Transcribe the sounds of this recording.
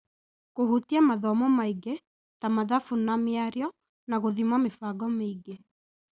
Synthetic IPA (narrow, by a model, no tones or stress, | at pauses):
kohutiamaðɔmɔmaiɡe | tamaðafunamjaɾjɔ | naɣoðimwamefaɡɔmeiɡe